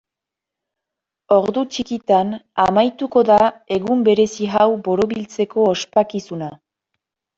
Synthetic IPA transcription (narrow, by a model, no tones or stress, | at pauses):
o̞ɾðut͡ʃikit̪anamajt̪uko̞ðae̞ɣumbe̞ɾe̞siɦawbo̞ɾo̞βilt͡se̞ko̞ospakisuna